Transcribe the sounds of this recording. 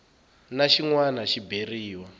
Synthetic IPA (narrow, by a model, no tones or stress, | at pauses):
naʃiŋwanaʃiberiːwa